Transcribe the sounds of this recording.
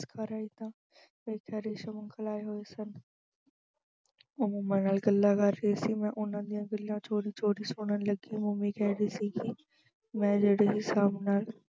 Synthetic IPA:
skʰaɾaːiːt̪ãː | eiːkʰɛːɾeːʃəməŋkəlaːeɦoːeːsən | ʊmumãːnaːlɡəlːaːkəɾːəeːsiːmɛ̃ːʔʊnãːd̪ijãːɡəlijãːt͡ʃʰoːɽiːt͡ʃoːɽiːsʊːɳənləɡiːmʊmĩːkɛːɾiːsiːkɪ | mɛ̃ːd͡ʒeːɽeːɦɪsaːbnaːl

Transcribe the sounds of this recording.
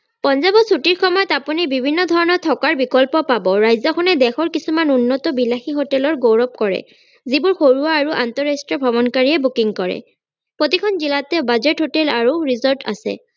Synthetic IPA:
pɔnzabɔsutiɹkʰɔmɔjɔtapunibibʱinːɔd̪ʱɔɹɔnɔt̪ʰɔkaɹbikɔlpɔpabɔɹajzɔkʰɔnɛd̪ɛxɔɹkisumanunːɔtɔbilaxiɦotɛlɔɹɡowɹɔp̚kɔɹɛ̰ | zibʊɹxoɹuaːɹuʔant̪ɔɹastɹiɔbʱɔbɔnkaɹiɛbukiŋkɔɹɛ̰ | pɹot̪ikʰɔnzilatɛbazetɦotɛlaɹuɹizɔɹta̰sɛ̰

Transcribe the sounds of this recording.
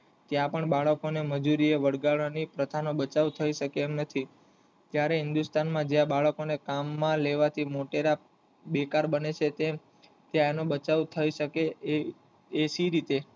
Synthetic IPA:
t̪jãpəɳbaɭəkoneməd͡ʒuɾieʋəɽɡaɭanipɾət̪ʰanobət͡ʃaʋt̪ʰəiʃəkeːmnət̪ʰi | t̪jaɾeɦɪnd̪ust̪anmãd͡ʒjãbaɭəkonekamːãleʋat̪ʰimoʈeɾa | bekaɾbənet͡ʃʰet̪e | t̪jaenobət͡ʃaʋt̪ʰəiʃəke | esiɾit̪e

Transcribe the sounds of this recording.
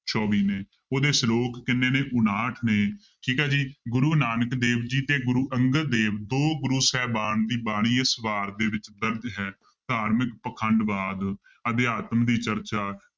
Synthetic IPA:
t͡ʃɔːʋiːneː | oːd̪eːsloːkːɪnːeːneːʔʊnaːʈʰneː | ʈʰiːkɛːd͡ʒiːɡʊɾuːnaːnəkd̪eːʋd͡ʒiːt̪eːɡʊɾuːʔəŋɡəd̪eːʋd̪oːɡʊɾuːsɛːbaːnd̪iːbaːɽ̃iːɪsʋaːɾd̪eːʋɪt͡ʃd̪əɾd͡ʒɦɛː | d̪aːɾməkpəkʰəɳɖʋaːd̪ | əd̪jaːt̪md̪iːt͡ʃəɾt͡ʃaː

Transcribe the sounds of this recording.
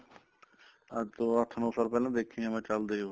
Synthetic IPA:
ət̪oːɐt̪ʰnoːsaːlpɛːlãd̪eːkʰĩẽmɛ̃ːt͡ʃəld̪eõ

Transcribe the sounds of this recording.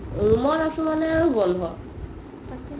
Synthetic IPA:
ɹumɔnasumanɛaɹubɔnʱɦɔ

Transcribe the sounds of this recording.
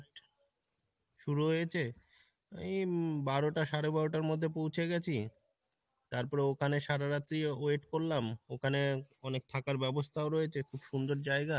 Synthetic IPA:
ʃuɾuɦojet͡ɕʰe | a̰mibaɾoʈaʃaɾebaɾoʈaɾmod̪ʱːepowt͡ɕʰeɡɛt͡ɕʰi | t̪aɾpɔɾeokʰaneʃaɾaɾat̪ːɾioeʈkoɾlamokʰaneɔnek̚t̪ʰakaɾbɛbost̪ʰaoɾojet͡ɕʰekʰubʃund̪oɾd͡ʑaeɡa

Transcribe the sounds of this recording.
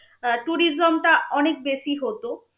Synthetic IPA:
ʈuɾizomʈaɔnek̚beʃiɦot̪o

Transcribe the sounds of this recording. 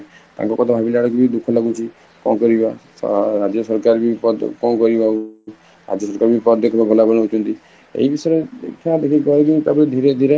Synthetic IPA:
t̪a̰ŋkɔkɔt̪ʰabʱabilaɽɔkibid̪ukʰɔlaɡut͡ʃʰi | kɔ̃kɔɾiba̰ | ɾad͡ʒjɔsɔɾkaɾbipɔd̪kɔ̃kɔɾibau | ɾa̰d͡ʒjɔsɔɾkaɾbipɔd̪d̪ekʰɔbabʱɔlabɔñɔut͡ʃʰɔnt̪i | ḛɦibisɔɾeḛkʰad̪ekʰikɔaɾekit̪abd̪ʱiɾed̪ʱiɾe

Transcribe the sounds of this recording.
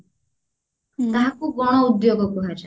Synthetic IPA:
t̪aɦakuɡɔɽ̃oud̪joɡɔkuɦad͡ʒa

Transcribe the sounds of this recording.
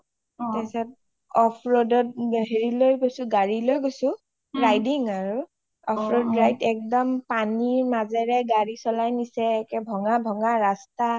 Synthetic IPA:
tɛsɛt̚ | ɔpʰɹɔdɔt̚ɦeɹilojɡojsʊ̃ɡaɹilojɡojsʊ̃ | ɹajdiŋaɹu | ɔpʰɹɔdɹajtɛk̚dɔmpaniɹmazɛɹɛɡaɹisɔlajnisɛkɛbʱɔŋabʱɔŋaɹasta

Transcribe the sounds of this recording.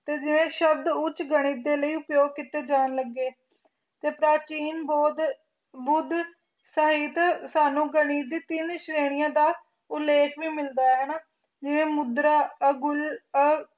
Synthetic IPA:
t̪eːd͡ʒɪʋẽːʃəb̚d̪ʊt͡ʃɡəɽ̃iːd̪eːləiːʊpjoːɡ̚kɪt̪eːd͡ʒaːnləɡːeː | t̪eːpɾaːt͡ʃiːnbɔːd̪ | bʊd̪ | səɦiːt̪saːnũːɡəɽ̃iːd̪iːt̪ɪnʃɾeːɽɪjãːd̪aː | ʊlːeːkʰʋĩːmɪld̪aːɦɛːnaː | d͡ʒɪʋẽːmʊd̪ɾaːəɡʊlə

